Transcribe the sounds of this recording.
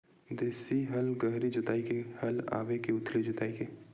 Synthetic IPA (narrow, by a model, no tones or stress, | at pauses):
d̪eːsiɦɐlɡɐɦɾid͡ʒʊt̪aːikehɐla̰ːʋekeʊt̪ʰlid͡ʒʊt̪aːike